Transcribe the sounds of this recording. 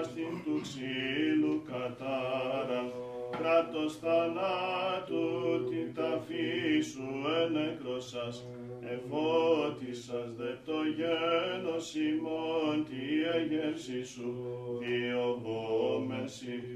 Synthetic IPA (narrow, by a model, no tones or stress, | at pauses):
st̪int̪uksinukɐt̪ɐɾɐkɾɐt̪o̞sθɐnat̪ut̪it̪ɐfisuenekɾo̞sɐs | efot̪isɐzðet̪o̞ʝenosimont̪ieʝefsisuðiobomesi